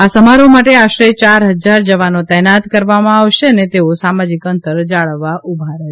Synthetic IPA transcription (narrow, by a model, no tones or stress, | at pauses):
asəmaɾomaʈeaʃɾet͡ʃaɾɦəd͡ʒaɾd͡ʒəʋanot̪ɛnat̪kəɾʋamãaʋʃeənet̪eosamad͡ʒikənt̪əɾd͡ʒaɭəʋːaʔubʱaɾɛ